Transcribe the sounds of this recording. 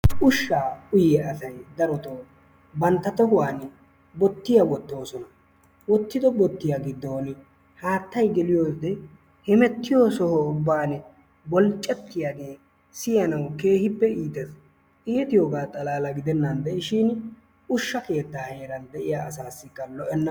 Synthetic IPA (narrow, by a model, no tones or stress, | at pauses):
ʊʃːaːʊjɛɐsɐjd̪ɐɾɔt̪oː | bɐnt̪ːɐt̪ɔɦʊwaːn | bɔt̪ːɪjɐwɔt̪ːo̞ːsɔnɐ | wɔt̪ːɪd̪ɔbɔt̪ːɪjaːɡɪd̪ːoːn | haːt̪ːɐjɡɛlɪjo̞ːd̪ɛ | hɛmɛt̪ːɪjoːsɔhɔʊbːaːn | bɔlt͡ʃʼːɛt̪ːɪjaːɡe̞ː | sɪjɐnɐwke̞ːhɪpːɛiːt̪ɛs | ʔiːt̪ɪjoːɡaːt̪ʼɐlaːlɐɡɪd̪ɛnːɐnd̪ɛʔɪʃɪn | ʊʃːɐke̞ːt̪ːaːhe̞ːɾɐnd̪ɛʔɪjaːɐsaːsːɪkːɐlɔʔɛnːɐ